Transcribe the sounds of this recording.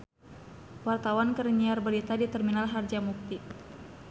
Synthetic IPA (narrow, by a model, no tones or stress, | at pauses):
wart̪awankəɾɲiarbəɾit̪adit̪ɛrminalɦard͡ʒamuk̚t̪i